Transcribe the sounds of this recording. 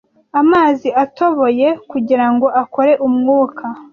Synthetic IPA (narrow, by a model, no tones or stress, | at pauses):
amaːziato̞βo̞je̞kuɟiɾaŋɡo̞ʔako̞ɾe̞ʔumŋuːkʰa